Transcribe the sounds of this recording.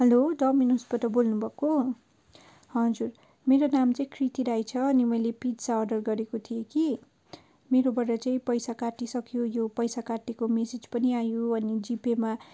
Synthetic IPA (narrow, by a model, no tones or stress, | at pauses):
ɦʌloɖʌminusbʌt̪ʌbolnubʱʌko | hʌd͡zur | meɾonamt͡saĩkʰrit̪iɾajt͡sʰʌʌnimʌjlepidsaʌɖʌrɡʌɾekot̪ʰijeki | meɾobʌrʌt͡saĩpʌjsakaʈisʌkjojopʌjsakaʈekomesed͡zpʌniajoʌnid͡zipema